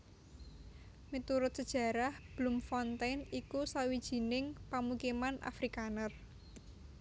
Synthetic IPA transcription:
mit̪uɾʊt̪̚səd̥ʒ̥ä̤ɾahb̥lumfɔnt̪ajnikusawid̥ʒ̥i̤nɪŋpamukimanʔa̰fɾikanər

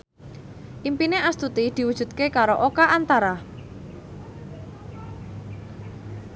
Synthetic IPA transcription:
ʔimpineʔast̪ut̪id̪̥i̤wudʒ̥ṳt̪̚kekaɾoʔokaʔant̪aɾa

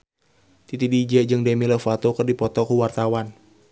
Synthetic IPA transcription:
t̪it̪idid͡ʒɛd͡ʒɨŋdɛmiləfat̪okərdipɔt̪ɔkuwart̪awan

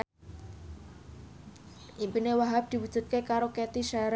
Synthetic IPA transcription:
ʔimpinewaɦap̚d̪̥i̤wud̥ʒ̥ṳt̪̚kekaɾoket̪iʃaɾ

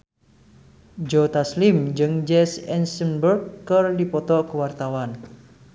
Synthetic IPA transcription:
d͡ʒot̪aslɪmd͡ʒɨŋd͡ʒɛsɛnsənbərkːərdipɔt̪ɔkəwart̪awan

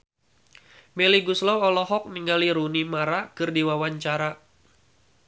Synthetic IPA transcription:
meliɡuslɔwɔlɔɦɔk̚niŋɡaliɾunimaɾakɨrdiwawaɲt͡ʃaɾa

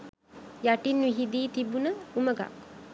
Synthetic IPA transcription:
jaʈinːʋiɦid̪iːt̪ibunəuməɡa̰k

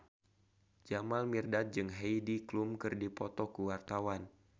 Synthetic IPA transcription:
d͡ʒamalmirdat̪̚d͡ʒɨŋɦejdiklumkɨrdipɔt̪ɔkuwart̪awan

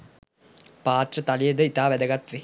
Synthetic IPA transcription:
paːt̪ɾɐt̪ɐlijɐd̪əit̪aːʋɛd̪ɐɡɐt̪ʋe

